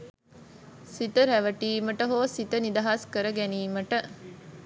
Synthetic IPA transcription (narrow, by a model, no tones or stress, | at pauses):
sit̪əɾæʋɐʈiːməʈəɦoːsit̪ənid̪ɐɦaskəɾəɡæniːməʈə